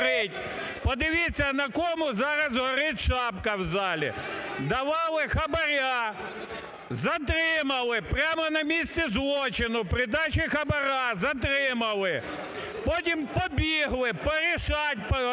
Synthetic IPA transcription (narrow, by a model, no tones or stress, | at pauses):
ɾɪtʲ | pɔd̪ɪʋʲit͡sʲːɐnɐkɔmʊzɑɾɐzɦɔɾɪtʲʃɑpkɐwzɑlʲḭd̪ɐʋɑlˠɪxɐbɐɾʲa | zɐt̪ɾɪmɐlˠɪpɾʲamɔnɐmʲisʲt͡sʲɛzlˠɔt͡ʃɪnʊpɾɪd̪ɑt͡ʃɪxɐbɐɾazɐt̪̬ɾɪmɐlˠɪ | pɔt̬ʲimpɔbʲiɦlˠɪpɔɾʲɪʃɑtʲp